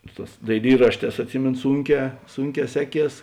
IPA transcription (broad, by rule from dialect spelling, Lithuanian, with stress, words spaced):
ˈsʊ ˌtɑːs dɐɪˈlʲiːrɐʃʲˌtʲɛːs ɐtʲˈsʲɪmʲeːnoː ˈsuːŋʲˌkʲɛː ˈsuːŋʲˌkʲɛː ˈsʲæːˌkʲiɛs